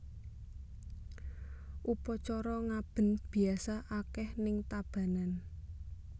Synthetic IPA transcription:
ʔupɔt͡ʃɔɾɔŋab̥ə̤nb̥i̤asaʔakɛhnɪŋt̪ab̥a̤nan

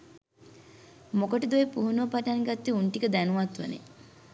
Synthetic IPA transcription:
mokoʈid̪uepuɦunuʋɐpaʈanɡat̪ːiuɳʈikəd̪ænuʋat̪ʋə̰nḛ

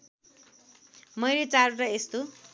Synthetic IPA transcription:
mʌjlet͡saɾuɾʌest̪o

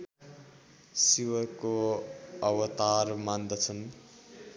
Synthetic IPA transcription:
siwʌko | ʌwʌt̪armand̪ʌt͡sʰʌn

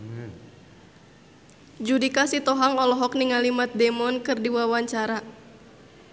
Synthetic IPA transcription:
d͡ʒudikasit̪ɔɦaŋɔlɔɦɔk̚niŋalimat̪̚dɛmɔnkɨrdiwawaɲt͡ʃaɾa

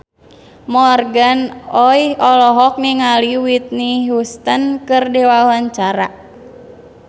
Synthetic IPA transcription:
mɔrɡanɔjɔlɔɦɔk̚niŋaliwit̪̚niɦust̪ənkɨrdɛwawaɲt͡ʃaɾa

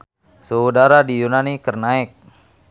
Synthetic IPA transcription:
səudaɾadijunanikərnaɪk̚

